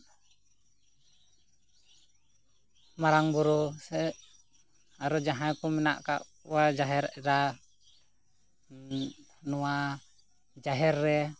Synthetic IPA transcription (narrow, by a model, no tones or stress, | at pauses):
maɾaŋbuɾɔsɛ | aɾɔd͡ʒaɦajkumɛna̰ʔka̰ʔuwad͡ʒaɦɛɾɾa | nua | d͡ʒaɦɛrːɛ